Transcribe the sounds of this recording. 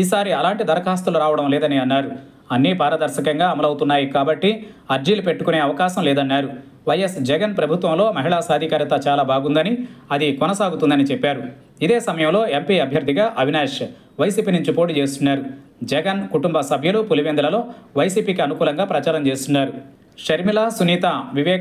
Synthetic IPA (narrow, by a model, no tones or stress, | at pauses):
iːsaːɾiɐlaːɳʈid̪ɐɾɐkaːst̪ɐluɾaːʋɐɽɐmlɛːd̪ɐniɐnːaːɾu | ɐnːibʱaːɾɐd̪ɐɾʃɐkɐŋɡaːɐmɐlɐwut̪unːaːjikaːbɐʈːi | ɐɾd͡ʒiːlupe̞ʈːukune̞ːɐʋɐkaːʃɐmlɛːd̪ɐnːaːɾu | ʋɐjesd͡ʒɛɡɐnpɾɐbʱut̪ʋɐmlo̞ːmɐɦiɭaːsaːd̪ʱikaːɾjɐt̪ɐt͡ʃaːlaːbʱaːɡund̪ɐniɐd̪ikɔnɐsaːɡut̪und̪ɐnit͡ʃɛpːaːɾu | id̪eːsɐmɐjɐmlo̞ːempiːɐbʱjɐɾd̪ʱiɡaːʔɐʋʱinaːʂ | ʋɐjsiːpiːnuɲt͡ʃipoːʈ̬it͡ʃeːst̪unːaːɾud͡ʒɛɡɐnkuʈumbɐsɐbʱjɐlupuliʋend̪ɐlɐlo̞ːʋɐjsiːpiːkiɐnukuːlɐŋɡaːpɾɐt͡ʃaːɾɐmt͡ʃe̞ːst̪unːaːɾu | ʃɐɾmilaːsuniːt̪aʋiʋɛː